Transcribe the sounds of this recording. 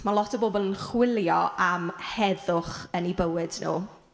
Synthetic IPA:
malˠɔtʰəbobɔlˠənχwɪlˠjɔamhɛðʊχənibəwɪdnṵː

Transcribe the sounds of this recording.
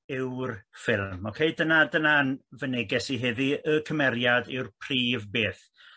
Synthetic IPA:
ɪwrfɪlˠmɔkʰejdənadənanvənɛɡɛsiɦɛðiəkʰəmɛɾjadɪwrpʰr̥iːvbeːθ

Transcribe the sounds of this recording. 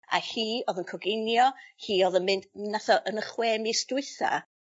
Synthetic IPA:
a̰hiːoːðənkʰɔɡɪnjɔhiːoðənmɪndnaθɔʔənəχweːmistʊɨθa̰

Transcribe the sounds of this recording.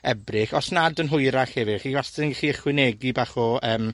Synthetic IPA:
ɛbrɪχɔsnadənɦʊjɾaχhɛvɪχiwastɪnχiəχwɪneɡibaχɔʔəːm

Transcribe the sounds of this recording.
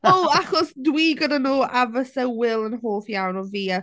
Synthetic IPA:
oaχɔsdwiːɡədanuːʔavəsɛwɪlˠənɦoːθjawnɔviːa

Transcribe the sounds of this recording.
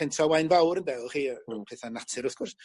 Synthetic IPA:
pʰɛntʰɔwajnvawɾəndɛχiːpʰɛːθanatʰɨɾʊθkʰʊrs

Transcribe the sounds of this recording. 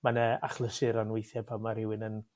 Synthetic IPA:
manəaχlˠəsɨɾanwɪjθjɛbamaɾɪwɪnən

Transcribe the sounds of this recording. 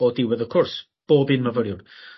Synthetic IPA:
ɔdɪwɛðə̥kʰɔrs | b̥oːbɨnməvəɾjʊn

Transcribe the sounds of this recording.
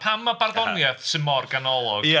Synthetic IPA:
pʰamːabarðɔnjɛθsɨnmɔrɡanɔlˠɔɡ

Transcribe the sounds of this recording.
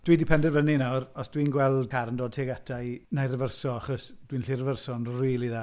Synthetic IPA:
d̥widɪpʰɛndɛrvəninawrɔsd̥wiːnɡwɛlˠdkʰaɾəndoːd̚tʰeːɡatʰajnajrəvərsɔaχɔsd̥wiːnɬirəvərsɔnriːlˠiðaː

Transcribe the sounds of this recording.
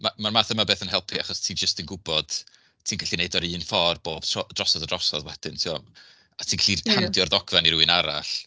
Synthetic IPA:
mamarmaːθəmabeːθənɦɛlˠpʰiaχɔstʰiːd͡ʒəstənɡʊbɔd̥ | tʰiːnɡaɬineɨdɔɾɨːnfɔrboːb̥tɔd̥rɔsɔdədrɔsɔðwɛd̥ɨntʰiɔ | atʰiːɡɬiandjɔrðɔɡvaniɾuɨnaɾaɬ

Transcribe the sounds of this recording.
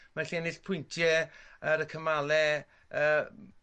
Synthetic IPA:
maɬiɛnɪɬpʰʊjntʰjɛəɾəkʰəmalˠɛ | əː

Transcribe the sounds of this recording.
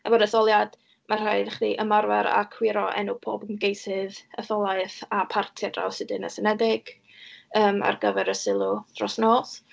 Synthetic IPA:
abɔdəθɔlˠjad̥ | mar̥ajdɛχdiʔəmarvɛɾa̰kʰwɪɾɔʔɛ̰nupʰoːbənɡejsɪðəθɔlˠaɨθapʰartʰɛdra̰wsɨdɨnəsɛnɛdɪɡ̥ | əːma̰rɡəvɛɾəsɪlˠʊd̥rɔsnoːs

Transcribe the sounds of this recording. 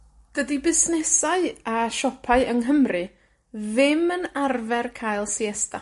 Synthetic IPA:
d̥ədibɪsnɛsaɨaʃɔpʰaɨəŋɦəmrɨ | ðɪmənarvɛrkʰaːjlˠsiɛsta

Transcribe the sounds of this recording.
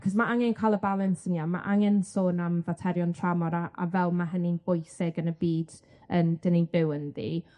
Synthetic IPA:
kʰɔsmaʔaŋɛnkʰalˠəbalˠənsəniama̰ʔaŋɛnsoːnamvatʰɛɾjɔntʰramɔɾaʔa̰vɛlˠmaɦəninb̥ʊjsɪɡənəbiːd̥ | ənd̥əninbɪwənðḭ

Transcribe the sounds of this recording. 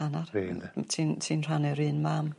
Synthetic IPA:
anariːntʰintʰiːnr̥anɛɾɨːnmaːm

